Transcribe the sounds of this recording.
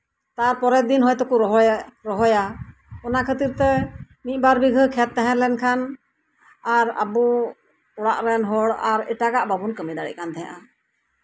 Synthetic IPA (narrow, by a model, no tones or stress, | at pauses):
t̪aɾpɔɾɛd̪inɦɔjt̪ɔkuɾɔɦɔɾɔɦɔjaɔnakʰət̪iɾt̪ɛ | nit̪̚ˀbaɾbiɡʱəkʰɛt̪ːɛɦɛ̃lɛnkʰan | aɾa̰bu | ɔɽa̰ʔɾɛnɦɔɽaɾɛ̰ʈaɡaʔbabunkəmid̪aɽḭc̚kant̪ɛɦã̰ʔa